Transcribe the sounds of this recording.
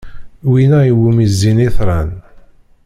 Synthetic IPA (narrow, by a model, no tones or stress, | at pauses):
winæiwumizːiniθɾˤɑn